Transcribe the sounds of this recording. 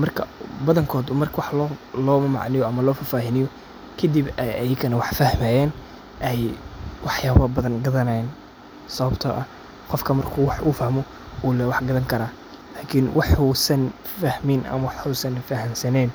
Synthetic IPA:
mɐrkʰɐbɐðɐŋkʰɔːd̪ʊmɐrkʰɐwɑħlɔlɔːmɐmɑ̰ʕnɪjɔɐmɐlɔːfɐfaːɦɪnɪjɔ | kʰɐd̪ibɛjʔɐjɪkɐnɐwɑħfɐhmaːjɛːn | ʔɛjwɑħjaːβɐbɐðɐnɡɐðɐnajɛn | sɐβɐbt̪ʰɐʔɐ | qɔfkʰɐmɐrkʰuːwɑħuːfɐhmɔ | uːlɛwɑħɡɐðɐŋkʰɐɾaː | laːkʰiːnwʔɑħuːsɐn | fɐhmɪnɐ̰mɐwɑħuːsɐnfɐɦɐmsɐnɛn

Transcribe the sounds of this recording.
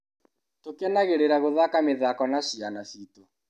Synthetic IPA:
tokɛnaɣeɾeɾaɣoðakameðakɔnaʃianasito

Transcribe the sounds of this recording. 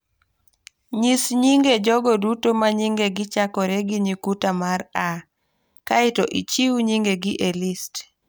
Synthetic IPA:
ɲisɲiŋɡed͡ʒɔɡɔdutomaɲiŋɡeɡɪt͡ʃakɔɾeɡiɲikutamaɾa | kaɪtɔʔḭt͡ʃiwuɲiŋɡeɡɪʔelist

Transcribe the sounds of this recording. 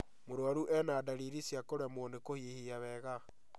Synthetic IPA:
moɾwaɾuʔɛnaːdaɾiɾisjakoɾamwɔnekohiehiaβɛːɣa

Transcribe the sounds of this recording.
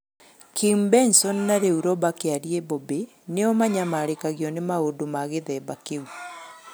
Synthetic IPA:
kʰimbɛnsɔnːaɾeuɾɔbakeaɾiebɔbe | neɔmaɲamaɾekaɣiɔnemaodomaɣeðɛbakeu

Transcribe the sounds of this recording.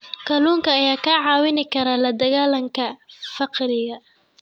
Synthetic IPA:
kʰɐluːŋkʰɐːjaːkʰaʕɑːwɪnɪkʰɐɾaːlɐd̪ɐɣaːlɐŋkʰɐfɑqɾɪɣɐ

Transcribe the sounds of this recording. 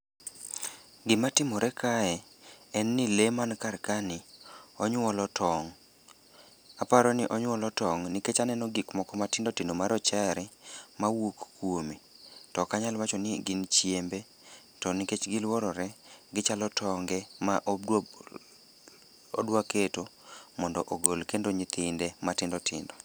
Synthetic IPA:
ɡɪmatɪmɔɾɛkʰaɛ | ɛnːilemankaɾkanɪɔɲwɔlɔtʰɔŋ | apaɾɔnɪʔɔɲwɔlɔtɔŋniket͡ʃanɛnɔɡikmɔkɔmatɪndɔtɪnomaɾɔt͡ʃɛɾɛmawokkwomitɔkaɲalwat͡ʃɔnɪɡɪnt͡ʃjembe | tɔniket͡ʃɡɪlwɔɾɔɾɛɡɪt͡ʃalɔtʰɔŋɡɛmaʔo | odwaketomɔndɔʔoɡolkendoɲɪt̪ʰɪndematɪndɔtʰɪ̰ndɔ

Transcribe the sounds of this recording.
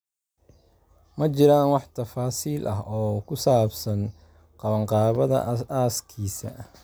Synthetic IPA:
mɐt͡ʃɪɾaːnwɑħt̪ʰɐfaːsiːlʔɐɦɔːkʰʊsaːbsɐn | qɑβɐɴqɑːβɐðɐ̰aːskʰiːsɐ̰

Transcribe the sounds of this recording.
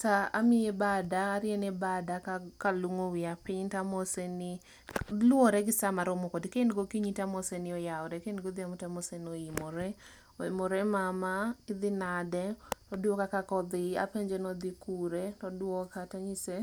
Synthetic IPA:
taamɪebadaːɾjɛnɛbadakakaluŋowɪapɪɲtamɔsenɪ | lwɔɾɛɡɪsamaɾomɔkɔdkendɡokiɲitamɔsenɪɔjaɔɾɛkenɡod̪ɪamʊtamɔsenɔɪmɔɾɛ | ɔɪmɔɾɛmamaɪd̪ɪnadɛtɔdwɔkakakɔd̪ɪa̰peɲd͡ʒɛnɔd̪ikuɾetɔdwɔkataɲise

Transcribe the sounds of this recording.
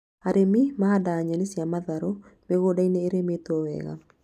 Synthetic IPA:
aɾemimaadaːɲanesjamaðaɾɔmeɣoːdaineːɾemetwɔwɛ̰ːɣa̰

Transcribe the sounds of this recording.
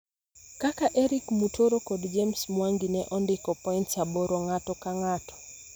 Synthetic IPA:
kakaʔɛɾikmutʰoɾokɔdd͡ʒemsmwaŋɡinɛʔɔndɪkɔpɔintsaboɾoŋatɔkaŋatɔ̥

